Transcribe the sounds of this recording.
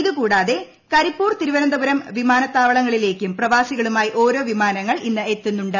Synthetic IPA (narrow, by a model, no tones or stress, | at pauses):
iðukuːɽaːðe̞ | kɐɾipːuːrt̪iɾuʋɐɾɐnd̪ɐʋɐɾɐmʋimaːnɐt̪ːaːʋɐɭɐŋːɐɭile̞ːkʲːumprɐʋaːsiɣɐɭumaːjiʔo̞ːɾo̞ːʋimaːnɐŋːɐɭʔinːɨet̪ːunːuɳɖɨ